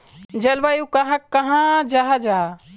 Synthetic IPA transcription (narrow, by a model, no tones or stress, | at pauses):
d͡ʒɐlʋajukaɦãkːɐɦãd͡ʒaɦad͡ʒaː